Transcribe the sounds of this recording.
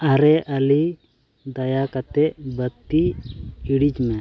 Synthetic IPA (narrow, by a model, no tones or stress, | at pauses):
aɾɛʔəli | d̪ajakat̪ɛʔbət̪ːiiɽid͡ʒmɛ